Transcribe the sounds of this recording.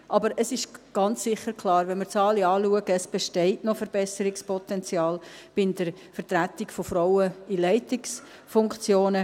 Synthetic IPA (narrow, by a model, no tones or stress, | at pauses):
ʔɑbəɾəsɪʃɡ̥ɑnt͡ssɪχːəɾkʰlɑːɾʋɛnməɾt͡sɑːliɑːluəɡəːsb̥ɛʃtɛɪtnofəɾb̥ɛsəɾɪkspʰɔt̪ɛnt͡sjɑːlb̥ɪnd̥əɾ | fəɾtɾætɪkfofɾɔwəilɛɪtɪks | fʊŋkt͡sjoːnə